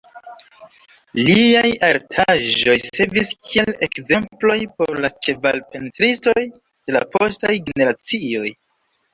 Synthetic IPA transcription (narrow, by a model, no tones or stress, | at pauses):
liajaɾtʰaʒo̞jse̞viskʰie̞lekze̞mplo̞jpo̞ɾlat͡ʃe̞valpe̞ntɾisto̞j | d̥e̞la̰po̞stajɡene̞ɾat͡sio̞j